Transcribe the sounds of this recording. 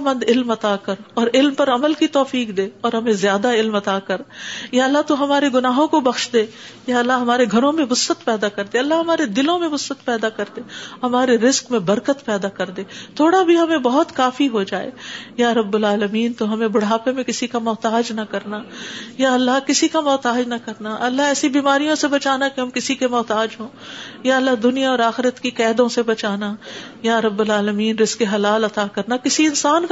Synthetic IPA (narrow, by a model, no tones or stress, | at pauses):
mɐ̃nd̪ɪlmɐt̪akɐɾɔːɾɪlmpɐɾɐməlkit̪ɔːfiːkd̪eːɔːɾɦɐmẽzjaːd̪aɪlmɐt̪aːkɐɾjaɐlːat̪oɦɐmaːɾeɡʊnaːɦõkobɐxʃd̪eː | jaːɐlːaɦɐmaːɾeɡʱɐɾõmẽʋʊsət̪pɛːd̪akɐɾd̪eːɐlːaɦɐmaːɾed̪ɪlõmẽʋʊsət̪pɛːd̪akɐɾd̪eːhɐmaːɾeɾɪskmẽbɐɾkət̪pɛːd̪akɐɾd̪eːt̪ʰoːɽabʱiɦɐmẽbɐɦʊt̪kaːfiɦod͡ʒaːḛːjaːɾɐbːʊlaːləmiːnt̪oɦɐmẽbʊɽ̤aːpemẽkɪsikamɔːt̪aːd͡ʒnɐkɐɾnajaɐlːaɦkɪsikamɔːt̪aːd͡ʒnɐkɐɾnaʔɐlːaɦɛːsibiːmaːɾijõsebɐt͡ʃaːnakeɦɐmkɪsikemɔːt̪aːd͡ʒɦõː | jaɐlːaɦd̪ʊnijaɔːɾaːxɪɾət̪kikɛːd̪õsebɐt͡ʃaːna | jaːɾɐbːʊlaːləmiːnɾɪskeɦɐlaːlɐt̪akɐɾnakɪsiɪnsaːnk